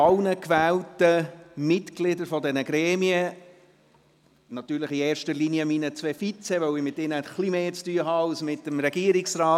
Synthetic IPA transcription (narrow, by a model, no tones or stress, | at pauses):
ɑlnəkʋæːltəmɪtklɪdəɾfɔd̪ɛnəɡɾɛːmiə | nɑt̪yːɾləχieːɾʃtəliniəminət͡sʋeːfit͡sɛʋœʊɪmɪtɪnəχlimeːt͡styəɦɑɑlsmɪtəmɾɛɡiəɾɪksɾɑː